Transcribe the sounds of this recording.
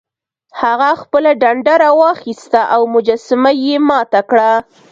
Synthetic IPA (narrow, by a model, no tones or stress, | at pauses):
haɣaxpəlaɖaɳɖaɾawɑxist̪aʔawmʊd͡ʒasɪmajemɑt̪akɽa